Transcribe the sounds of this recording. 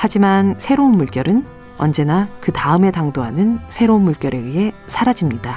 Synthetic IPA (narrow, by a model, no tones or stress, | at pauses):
had͡ʑimansʰe̞ɾounmuɭk͈jʌɾɯn | ʌ̰nd͡ʑe̞nakɯtaɯme̞taŋdoɦanɯnsʰe̞ɾounmuɭk͈jʌɾe̞ɥiɦe̞ | sʰaɾad͡ʑimɲida